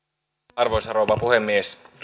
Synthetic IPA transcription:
ɑrʋoisɑɾoʋɑpuhemːies

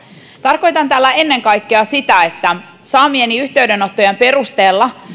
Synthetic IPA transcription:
t̪ɑrko̞jt̪ɑnt̪æːlːæe̞nːe̞ŋkɑjkːeɑsit̪æe̞t̪ːæ | sɑːmieniyçt̪e̞yɥde̞no̞t̪ːo̞jempe̞rust̪eːlːɑ

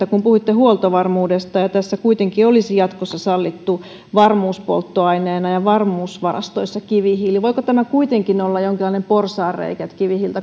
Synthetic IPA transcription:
ækumpuhuit̪ːehuolt̪oʋɑrmuːdest̪ɑjɑt̪æsːækuit̪eŋkiolisijɑt̪kosːɑsɑlːit̪ːu | ʋɑrmuːspo̰lt̪ːoɑineːnɑjɑʋɑrmuːsʋɑrɑ̰st̪oisːɑkiʋihiːliʋoikot̪æmækuit̪eŋkinolːɑjoŋkilːɑinemporsɑːrrḛikæt̪kiʋihilt̪ɑ

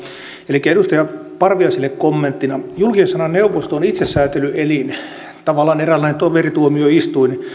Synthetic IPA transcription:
elikːæedust̪ɑjɑpɑrʋiɑsilːekkomːent̪ːinɑjulkiensɑnɑneuʋost̪oːnit̪sesːæːt̪elyelin | t̪ɑʋɑlːˑɑːnerælːæinent̪oʋerit̪uomioist̪uin

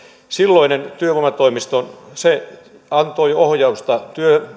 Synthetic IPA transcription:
silːoinent̪yøʋomɑt̪oimist̪onse | ɑnt̪oiohjɑust̪ɑt̪yø

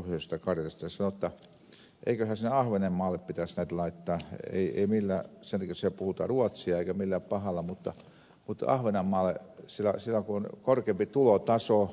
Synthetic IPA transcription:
ohjoˑst̪ɑkɑrjɑst̪ɑɑsɑnot̪ːɑ | ʔḛikøhæsinːeɑhʋenemmɑːlːˑeppit̪æsnæit̪lɑit̪ːɑːḛiḛimilːæsent̪ɑkisepuhut̪ɑ̰ruɑt̪siɑeikæmilːæpɑhɑlːɑmut̪ːɑ̰ | mut̪ɑ̰hʋenɑmːɑːlesilːæsilːækuonkorkeːmpit̪ulot̪ɑso

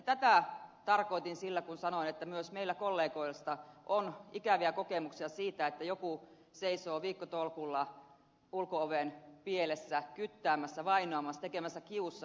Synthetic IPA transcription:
t̪æt̪æt̪ɑrkoit̪insilːækunsɑnoinet̪ːæmyøsmeilːækolːeːkoilst̪ɑʔonikæʋiækokemuksiɑsiːt̪æet̪ːæjoku | seisoːʋiːkːot̪olkulːɑ | ulkooʋenpielesːækyt̪ːæːmæsːæʋɑinoɑmɑst̪ekemæsːækiusːɑ

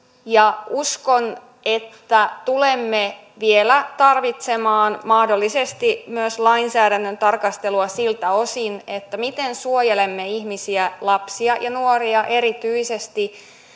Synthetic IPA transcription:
jɑuskon | et̪ːæt̪ulemːe | ʋielæt̪ɑrʋit̪semɑːnmɑhdo̞lːisest̪imyøslɑinsæːɾænːønt̪ɑrkɑst̪eluɑsilt̪æo̞sinet̪ːæmit̪ensuojelemːeihmisiælɑpsiɑjɑnuoriɑʔe̞ɾit̪yise̞st̪i

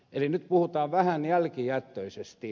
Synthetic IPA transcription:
elinyt̪puhut̪ɑːʋʋæhænjælkijæt̪ːøisest̪i

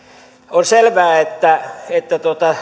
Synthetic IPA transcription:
onselʋæːet̪ːæet̪ːæt̪uot̪ɑ

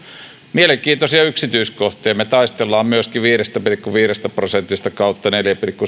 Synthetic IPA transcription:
mieleŋkiːt̪osiɑyksit̪yiskoht̪ejɑmet̪ɑˑist̪elːɑːmmyøskiʋiːrest̪æpirikːuʋiːrest̪æprosent̪ist̪ɑkɑˑut̪ːɑneljæpirikːu

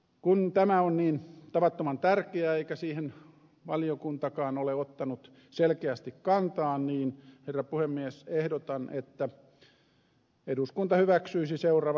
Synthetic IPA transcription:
kunt̪æmæonniːnt̪ɑʋɑt̪ːomɑnt̪ærkeæeikæsiːhen | ʋɑliokunt̪ɑkɑːnoleot̪ːɑnut̪ | selkeæst̪ikkɑnt̪ɑːnniːnherːɑpuhemːiesehdot̪ɑnʔet̪ːæ | eduskunt̪ɑhyʋæksyisiseurɑʋ

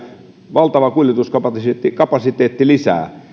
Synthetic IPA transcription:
ʋɑlt̪ɑʋɑkulʲjet̪uskɑpɑst̪ːikɑpɑsit̪eːt̪ːilisæ̰ː

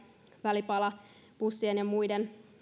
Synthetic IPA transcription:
ʋælipɑlɑ | pusːienjɑmuiden

